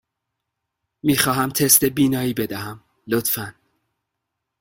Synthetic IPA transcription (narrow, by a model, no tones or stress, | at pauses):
miːxɒːɦæmt̪ʰest̪ebiːnɒːiːbe̞d̪æhæm | lot̪fæn